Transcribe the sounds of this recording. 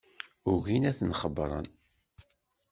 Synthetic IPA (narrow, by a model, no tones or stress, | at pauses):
ʊʝinæθnχəbɾˤə̰n